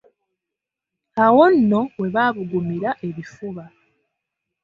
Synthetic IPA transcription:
awo̞nːo̞we̞βaːβuɡumiɾaʔe̞βifuβa

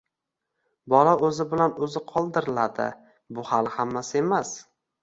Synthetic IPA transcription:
bɒlaɵzɪbɪlanɵzɪqʰɒlˠd̪ɪɾɪlad̪ɪ̰ | bʊhalˠhamːasɪe̞mas

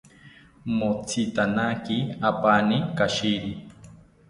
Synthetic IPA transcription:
mot͡sʰit̪anakiapanikaʃiɾi

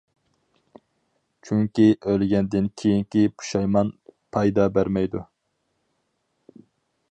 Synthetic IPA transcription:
t͡ʃʰyŋkʲiʔølɡʲɛnd̪ɪnkʲʰejiŋkʲipʰu̥ʃɑjmɑnpʰɑjd̪ɑbæɾmɛjd̪u

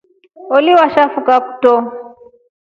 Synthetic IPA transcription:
olɪwaʃafukaputɔ

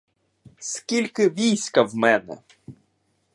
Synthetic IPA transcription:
skʲilʲkɪʋʲijsʲkɐwmɛnɛ̰

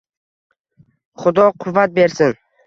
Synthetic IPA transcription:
χʊd̪ɒqʰʊvːat̪̚be̞ɾsɪn

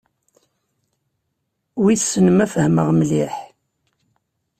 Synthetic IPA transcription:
wiθsənəmæfəhməʁmliħ

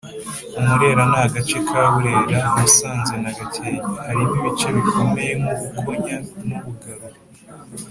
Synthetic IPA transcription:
umuɾe̞ːɾanaaɡat͡ʃe̞kʰaːβuɾe̞ːɾahasaːnze̞naɡatʰeːɲahaɾimiβit͡ʃe̞βikʰo̞me̞je̞muβukʰo̞ɲanuβuɡaɾo

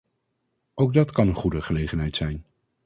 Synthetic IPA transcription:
ʔowɡ̚dɑtkɑnənχudəχəlejχənɦɛjtsɛjn

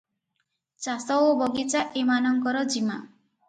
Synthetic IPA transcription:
t͡ʃasɔobɔɡit͡ʃaʔemanɔŋkɔɾɔd͡ʒima̰

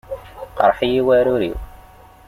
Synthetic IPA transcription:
qɑ̰ɾˤħijiwæɾuɾḭw

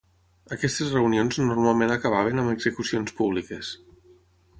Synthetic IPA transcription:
əkɛst̪ezrəunionznuɾmalˠmenəkəβ̞aβ̞enəməɡzəkusionspuβ̞likes

